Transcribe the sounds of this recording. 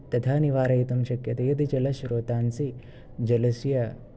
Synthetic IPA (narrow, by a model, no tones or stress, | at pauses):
t̪ɐt̪ʰaːniʋaːɾɐit̪ɐmʃɐkjɐt̪ɐjɐd̪id͡ʒɐlɐʃɾoːt̪aːnsi | d͡ʒɐlɐsjɐ